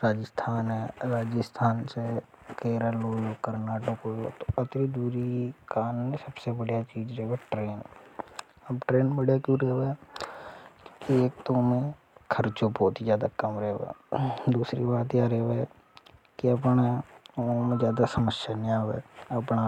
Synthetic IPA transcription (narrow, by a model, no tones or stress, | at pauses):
ɾaːd͡ʒəst̪ʰaːnɦɛːɾaːd͡ʒəst̪ʰaːnsekeːɾəloːkəɾnaːʈəkoot̪oət̪ɾid̪uːɾikaːnːesəbsebəɽijat͡ʃiːd͡ʒɾɛɦweʈɾeːn | əbʈɾeːnbəɽjakuɾeɦʋe | kːkieːk̚t̪omẽ | kʰəɾt͡ʃopoːt̪id͡ʒjaːd̪akəmɾɛːʋḛːd̪uːsɾḭbaːt̪jaɾeːʋɛ | kiəp̬na | mẽzjaːd̪asəməsjaniaːʋḛːɐpna